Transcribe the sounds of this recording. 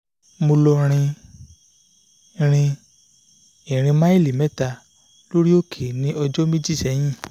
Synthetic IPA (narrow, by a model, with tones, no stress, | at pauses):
mo˧lɔ˧ɾ̃ĩ˧ | ɾ̃ĩ˧ | ĩ˨ɾ̃ĩ˧mã˦i˦˨li˨mɛ˦ta˧ | lo˦ɾi˦o˦kʰe˨nĩ˨˦ɔ˧d͡ʒɔ˦mĩ˦d͡ʒi˦˨ʃɛ˨˦j̃ĩ˦˨